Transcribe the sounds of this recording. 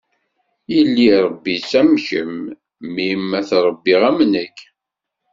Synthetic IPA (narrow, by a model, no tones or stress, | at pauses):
jəlːiɾˤəbːisæmçəmː | imːæθɾˤəbːiʁæmnəkː